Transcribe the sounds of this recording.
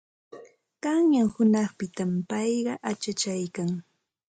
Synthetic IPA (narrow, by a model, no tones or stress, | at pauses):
ɢ̥ɑŋjaŋhʊnɑχpɪt̪ampɑjɢɑʔat͡ʃat͡ʃajkaŋ